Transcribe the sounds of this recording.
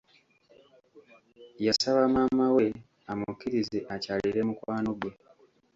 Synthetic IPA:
jasaβamaːmawe̞ | amukːiɾizeʔacaːliɾe̞mukwaːno̞ɡwe̞

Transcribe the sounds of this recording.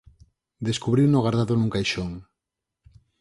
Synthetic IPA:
d̪eskuβɾiwnoɣaɾðaðonũŋkajʃoŋ

